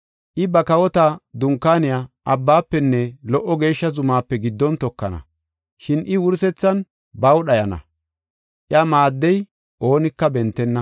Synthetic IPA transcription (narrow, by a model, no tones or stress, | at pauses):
ʔɪbɐkɐwɔt̪ad̪ʊŋkːaːnɪjaːʔɐbːaːpːɛnːɛlɔʔːɔɡe̞ːʃːɐzʊmaːpːɛɡɪd̪ːɔnt̪ɔkːɐnɐ̰ | ʃɪnʔɪwʊɾsɛt͡sːɐn | bɐwɗɐjɐnɐ̰ | ʔjamaːd̪ːɛj | ʔo̞ːnɪkːɐbɛnt̪ːɛnːɐ